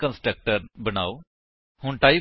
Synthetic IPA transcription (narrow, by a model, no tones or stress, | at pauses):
kənsʈɾək̚ʈəɾbəna̰ːoː | hʊɳʈaːi